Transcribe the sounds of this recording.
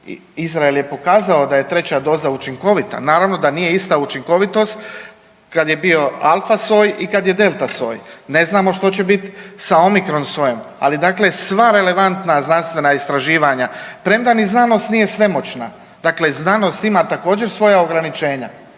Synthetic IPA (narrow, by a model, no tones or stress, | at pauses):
ḭ | izɾaelˠje̞po̞kaːzaod̪aje̞t̪ɾe̞t͡ɕad̪o̞ːzaut͡ʃiŋko̞ʋit̪a̰naːɾaʋno̞d̪anije̞ist̪aut͡ʃiŋko̞ʋit̪o̞st̪ | kad̪je̞bio̞a̰lˠfaso̞ːjikad̪je̞d̪e̞lˠt̪aso̰ːjne̞znaːmo̞ʃt̪o̞t͡ɕe̞bit̪sao̞mikɾo̞nso̞joma̰lid̪aːkle̞sʋaɾe̞le̞ʋant̪naznanst̪ʋe̞naist̪ɾaʒiːʋaɲapɾe̞md̪aniznano̞st̪nije̞sʋe̞mo̞t͡ɕna | d̪aːkle̞znaːno̞st̪imat̪ako̞ːd͡ʑe̞ɾsʋo̞jao̞ɡɾanit͡ʃe̞ːɲa̰